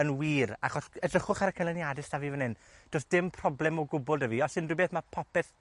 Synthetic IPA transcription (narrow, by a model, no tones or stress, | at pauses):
ənwiːraχɔsɛdrəχʊχaɾəkʰənlɪnjadɪstaviːvənɪn | d̥osd̥ɪmpʰrɔblˠɛmɔɡʊbʊlˠdəviɔsɨndwibeːθmapʰɔpɛθ